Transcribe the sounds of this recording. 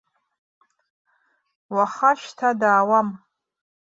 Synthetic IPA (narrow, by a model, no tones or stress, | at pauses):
waχaʃtʰadaːwam